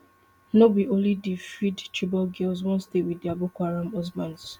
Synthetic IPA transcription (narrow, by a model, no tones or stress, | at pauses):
nobiʔõnlidifɹidt͡ʃibɔlɡelzwɔ̃nstewidiabukʷaɹãmɔzbãnz